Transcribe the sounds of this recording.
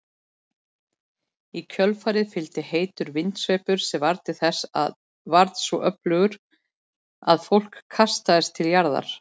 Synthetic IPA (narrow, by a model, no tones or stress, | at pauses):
icʰœlfaːɾɪðfɪlt̪ɪheːjt̪ʏɾvɪnt̪sveːjpʏɾ̥sɛvaɾt̪ɪθɛsa̰ð | vaɾt̪svɔʔœplœɣʏɾ̥ | a̰ðfowl̥kʰːast̪aðɪst̪ʰɪljaɾða̰ɾ̥